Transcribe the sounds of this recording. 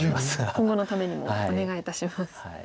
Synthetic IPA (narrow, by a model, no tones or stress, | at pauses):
kʰõ̞ŋɡo̞no̞t̪ame̞ɲ̟imo̞̰one̞ɡait̪aɕimasɨ̥